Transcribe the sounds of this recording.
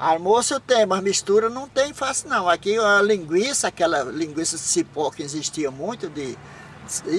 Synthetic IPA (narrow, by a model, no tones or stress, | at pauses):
aɾmosʊt̪ẽj̃mɐzmiʃt̪uɾɐnɐ̃w̃t̪ẽj̃fasɪnɐ̃w̃akilĩɡwisɐakɛlɐlĩɡwisɐsipɔkɪĩziʃt̪iɐmũj̃t̪ʊd̪ɪ